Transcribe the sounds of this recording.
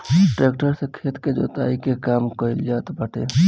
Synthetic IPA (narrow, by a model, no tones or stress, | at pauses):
ʈɾeːkʈəɾsekʰeːt̪ked͡ʒo̰t̪a̰ːikekaːmkɔild͡ʒaːt̪bəʈe